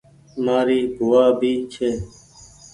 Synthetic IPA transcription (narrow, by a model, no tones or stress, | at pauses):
maːɾiːbʱʊʋaːbʱiːt͡ʃʰeː